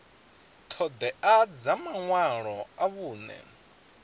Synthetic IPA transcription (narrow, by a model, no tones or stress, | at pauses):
t̪ʰɔd̪ɛʔad͡zamaŋwaɺɔaβuːnɛ̰